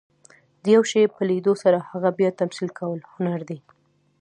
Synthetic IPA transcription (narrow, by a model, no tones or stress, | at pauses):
d̪əjawʃepəlid̪osaɾahaɣabjɑt̪amsilkawəlhʊnaɾd̪e